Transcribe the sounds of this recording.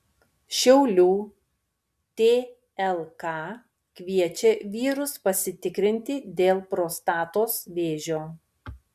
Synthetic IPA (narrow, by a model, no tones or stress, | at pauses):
ʃʲɛʊlʲuː | t̪ʲeː | ɛlˠkɑː | kʲʋʲiɛt͡ʃʲɛʋʲiːɾʊspɐsʲɪt̪ʲɪkɾʲɪnʲt̪ʲɪd̪ʲeːlˠpɾoːst̪ɑːt̪oːsʋʲeːʒʲoː